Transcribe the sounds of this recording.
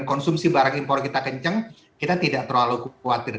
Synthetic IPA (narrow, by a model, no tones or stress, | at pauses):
nkɔnsumsibaɾaŋimpɔrkit̪akəɲt͡ʃəŋ | kit̪at̪idaʔt̪əɾoalokwat̪ɪr